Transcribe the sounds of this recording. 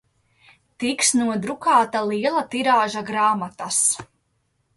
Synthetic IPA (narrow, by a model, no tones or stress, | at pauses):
t̪iksnuɔd̪ɾukaːt̪alˠiɛlˠat̪iɾaːʒaɡɾaːmat̪as